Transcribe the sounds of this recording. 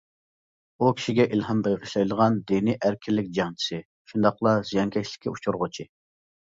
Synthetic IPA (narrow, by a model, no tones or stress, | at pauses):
ukʲi̥ʃiɡʲɛʔilɦɑmbeʁʰəʃlˠɑjlˠəʁɑnd̪iniʔæɾkʲʰilːɪkʲd͡ʒɑŋt͡ʃʰi̥sɨ | ʃund̪ɑqlˠɑzijɑŋkʲʰɛʃlɪ̥kʲʰːɛut͡ʃʰuɾʁʊt͡ʃʰi